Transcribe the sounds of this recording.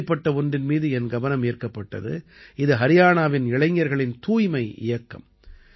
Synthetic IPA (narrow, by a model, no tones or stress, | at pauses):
pːɐʈːɐɔndrɪnmiːðɯɛnɡɐʋɐnɐmeːɾkɐpːɐʈːɐ̰ðɯ̰ɪðɯɦɐɾɪjaːnaːʋɪnɪɭɐɪŋːɐɾɣɐɭɪnt̪uːjmɐɪʔɪ̰jɐkːɐ̰m